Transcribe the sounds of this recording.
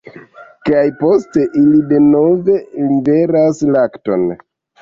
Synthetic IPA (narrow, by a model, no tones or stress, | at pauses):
kajpo̞ste̞ʔilide̞no̞ve̞libe̞ɾaslakto̞̰n